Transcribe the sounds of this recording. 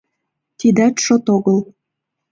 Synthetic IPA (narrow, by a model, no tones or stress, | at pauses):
t̪id̪æt̪ʃot̪oɣɤl